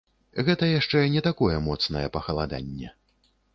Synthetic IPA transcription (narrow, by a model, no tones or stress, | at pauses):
ɣɛt̪ɐjaʂt͡ʂɛnʲɛt̪akɔjɛmɔt̪snɐjɛpɐxɐlˠad̪a̰nʲːɛ̰